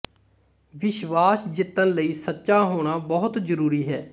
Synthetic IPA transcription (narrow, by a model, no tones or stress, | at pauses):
ʋɪʃʋaːsd͡ʒɪt̪ːənləiːsətːʃaːɦoːɽ̃aːbəɦʊt̪zəɾuːɾiːɦɛː